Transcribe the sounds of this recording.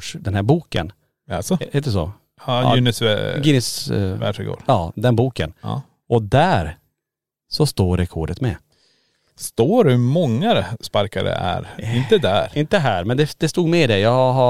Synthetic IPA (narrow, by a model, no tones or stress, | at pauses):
ʂd̪ɛnhæɾbuːkə̰n | alsɔheːt̪ːɛsɔ̰ | ɑ̰ɪnɪsɡɪnɪsvæ̰ʂɪɡo̰ːɾɑːd̪ɛnbuːkə̰n̰ | ɔd̪æɾ | sɔst̪oːɾɛkʰɔːɖət̪mɛ | st̪oːɾhʉmɔŋːaspaɾkaɾə̰æ̰ɾɪnt̪əd̪æɾɪnt̪əɦæːɾmɛnd̪ɛd̪ɛst̪uːɡmɛd̪ɛjɑːɡɦa